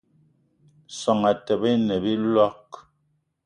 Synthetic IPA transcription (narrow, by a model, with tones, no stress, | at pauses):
sɔ˨ŋa˨tɛ˨be˦nɛ˨bi˦lɔ˦k